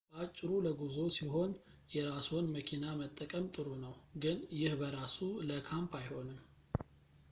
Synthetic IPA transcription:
b̥əat͡ʃʼːɪɾuləɡuzo̞siɦo̞n | jɛɾasonməkʰinamət̪ʼːəkʼəmt̪ʼɨɾunəwɡɨnjɪhbəɾasuləkʰampʰajho̞nɨm

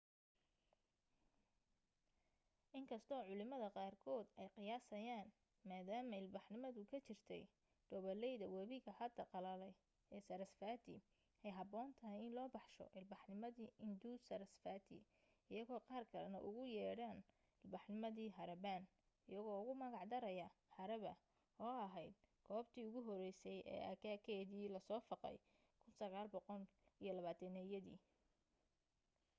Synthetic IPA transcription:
ʔɪŋkʰɐst̪ʰɔːʕʊlɪmɐðɐqɑːrkʰɔːd̪ɛjqɪjaːsɐjaːn | maːðaːmɐɪlbɑħnɪmɐðʊkʰɐt͡ʃɪrt̪ʰɛ̰j | ɖ̪̥ɔβɐlɛjðɐwɐβiɣɐhɐd̪ɐqɑlɐlɛ | ɛːsɐɾɐsfaːt̪ʰɪ̰ | ɛjɦɐbɔːnt̪ʰɐɦɛjɪnlɔːbɑħʃɔ̰ʔɪlbɑħnɪmɐðiːʔɪnd̪usɐɾsfaːt̪ʰɪ̰ | ɪjɐɣɔːqɑːrkʰɐlɛnɐʔʊɣʊjɛːɽaːn | ɪlbɑħnɪmɐðiːɦɐɾɐbaːn | ɪjɐɣɔːʊɣʊmɐɣɑʕd̪ɐɾɐjɐhɐɾɐβɐ | ɔːɐɦɛjd̪̚ɡʰɔːbt̪ʰiːʊɣʊɦɔɾɛjsɛjɛ̰ːʔaːkʰaːkʰɛːðiːlɐsɔːfɑqɛ̰j | kʰʊnsɐɣaːlbɔqɔl | ijɔlɐβaːt̪ʰɐnɛjɐðḭː

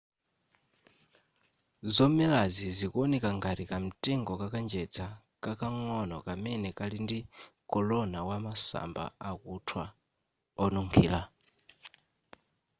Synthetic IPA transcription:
zɔmɛlazizikɔnikaŋɡaɾikam̩tʼɛŋɡɔkakand͡ʒɛd͡za | kʼakaŋɔnɔ̰kʼamɛnɛkʼalindikʼɔlɔnawamasa̰mba̰akutʰwa | ɔnuŋkʰiːla

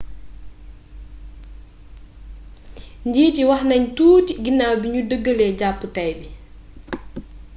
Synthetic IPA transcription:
ɲɟiːtiwahnaɲtuːtiɡinːaːwbiɲudəɡːəlɛɟapːutajbi

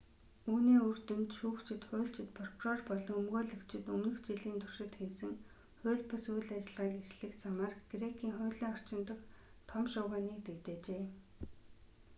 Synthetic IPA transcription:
uːniːɵrt̪ɵ̆mt̪ʃuːkt͡ɕʰɪ̆t̪χʊːɬt͡ɕɪ̆t̪pʰɔr̥kʰʊrɔrpɔɮɞ̆ŋɵmɣoːɮɵ̆kt͡ɕɪ̆t̪ɵŋɘ̆xt͡ɕiɮiːnt̪ʰʊr̥ʃɪ̆t̪xesɘ̆ŋ | χʊːɮpɔsujɮat͡ɕɪ̆ɮʁaːkerɮɘ̆xt͡sʰamaːrɡ̥rekʰiːŋχʊːɮiːŋɔr̥t͡ɕɪ̆nt̪ə̆xt̪ʰɔmʃʊːʁaːniːk̚t̪ekt̪eːt͡ɕeː

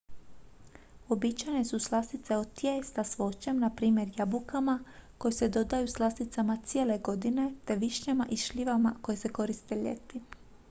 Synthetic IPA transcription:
o̞bit͡ɕajne̞suslˠast̪it̪se̞ot̪jest̪asʋo̞t͡ɕemnapɾiːmje̞ɾjabukamako̞jese̞d̪o̞d̪ajuslˠast̪it̪samat̪sije̞ːle̞ɡo̞d̪ine̞t̪e̞ʋiʃɲamaʔiʃʎiʋamako̞jese̞ko̞ɾist̪e̞ʎḛt̪i

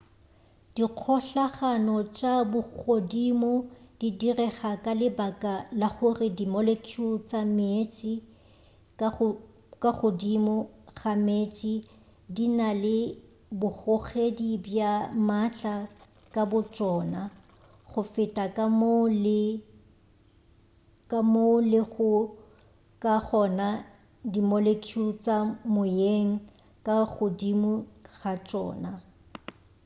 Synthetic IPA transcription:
d̥iq͡χʰɔɬaχanɔt͡ʃʼabʊk͡xodimɔd̥idirɛχakʼalɪbakʼalaχʊrɪdimɔlekʰʊt͡sʼamet͡ʃʼi | kʼaχodimɔχamet͡ʃʼi | dinalɪ | bʊχɔχedibjamat͡ɬʼa | kʼabʊt͡ʃʼɔːna | χʊfɪtʼakʼaml | kamolɪχʊ | kʼaχɔna | dimolekʰiut͡sʼamʊjeŋ̩ | kʼaχʊdimʊɣat͡ʃʼɔ̰ːna

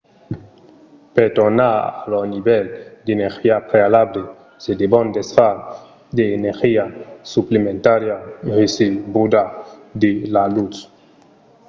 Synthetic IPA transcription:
pet̪onaa̰lonibɛld̪enexiapɾealable | sed̪ebɔnd̪esfa | d̪eːneɾxiasuplemẽnt̪aɾjarisebud̪ad̪elalut͡s

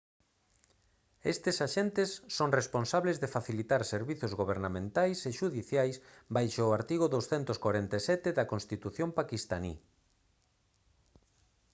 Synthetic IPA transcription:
est̪esaʃent̪esːoŋresponsaβlezðefaθilit̪aɾseɾβiθozɣoβ̞eɾnamẽnt̪ajseʃuðiθjajsbajʃoaɾt̪iɣ̞ʊðowsθɛnt̪ʊskwaɾent̪esɛt̪eðɐkonst̪it̪uθjompakist̪anḭ

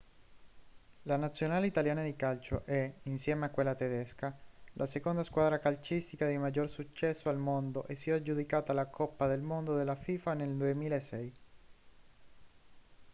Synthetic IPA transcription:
lanat̪sːjonaːleit̪aljaːnad̪ikalt͡ʃo̰ʔɛinsjɛːmeakːwelːat̪ed̪ɛskalʔasekond̪askwaːd̪ɾakalt͡ʃist̪ikad̪imad͡ʒːorsut͡ʃːɛsːoalmond̪oʔesːiad͡ʒud̪ikaːt̪alakʰɔpːad̪elmond̪od̪elːafiːfaneld̪uemiːlaesɛj

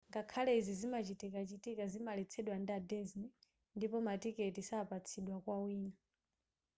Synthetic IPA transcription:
ŋɡakʰalɛizizimat͡ʃitikat͡ʃitikazimalɛt͡sʰɛɗwandadɛzni | ndipɔmatikɛtisaːpat͡sʰiɗwakwawiːna

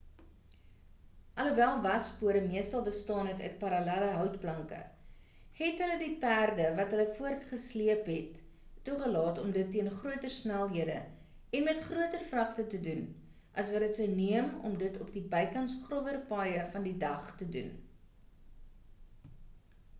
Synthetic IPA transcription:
ʔɐləvælˠvɐspuəɾəmiəstɐlˠbəstɑːnɦɛtœ̰ɥt̚pɐɾɐlæləɦœwtplɐŋkə̰ | hɛtɦələdipærdəvɐtɦələfuərtχəsliəpɦɛtː | uχəlɑːtɔmdətːiənχruətərsnælˠɦiədə̰ | ɛnmɛtχruətərfrɐχtətədun | ʔɐsvɐɾətsəwniəmɔ̰mdətɔpdibəjkɐnsχrɔvərpɑːjəfɐndidɐχtədṵn

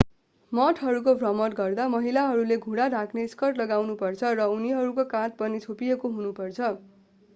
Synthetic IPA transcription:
mʌʈʰɦʌɾukobʱrʌmʌʈɡʌrd̪amʌɦilaɦʌɾuleɡʱuɽaɖʱakʰneskʌrʈlʌɡawnupʌrt͡sʰʌrʌuniɦʌɾukokãt̪̚pʌnit͡sʰopijekoɦunupʌrt͡sʰʌ

